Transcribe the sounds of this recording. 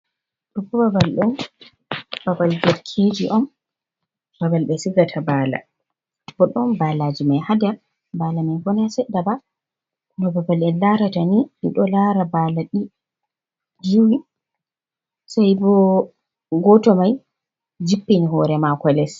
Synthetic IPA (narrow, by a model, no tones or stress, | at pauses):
ɗɔpɔbabalɗɔn | babaldɛɾkʰed͡ʒiʔɔm | babalbɛsiɡatʰabala̰ | b̥ɔɗɔmbalad͡ʒimajhadɛɾ | balamanɡɔnasɛɗːaba | knɔbabalɛlaɾataniɗḭɗɔlaɾabaːlaɗi | d͡ʒiwi | sajbɔ | ɡɔtɔmaj | d͡ʒipːiniɦɔɾɛmakɔlɛs